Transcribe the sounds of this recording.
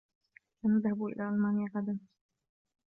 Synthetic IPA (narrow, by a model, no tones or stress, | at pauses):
lanaðhabuʔɪ̰lʔaːʔalmaːnɪjaʕad̪am